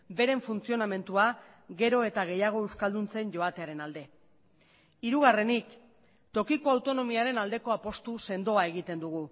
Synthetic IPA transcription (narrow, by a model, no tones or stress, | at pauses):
be̞ɾe̞ɱfunt͡sio̞name̞nt̪ua | ɣe̞ɾo̞e̞t̪aɣ̞e̞jaɣ̞o̞e̞wskald̪unt͡se̞nɟo̞at̪e̞aɾe̞nald̪e̞ | iɾuɣare̞nik | t̪o̞kiko̞awt̪o̞no̞miaɾe̞nald̪e̞ko̞apo̞st̪use̞nd̪o̞ae̞ɣ̞it̪e̞nd̪uɣ̞u